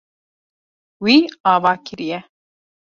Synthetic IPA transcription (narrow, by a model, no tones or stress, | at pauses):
wiːɑːvɑːkʰɨɾijɛ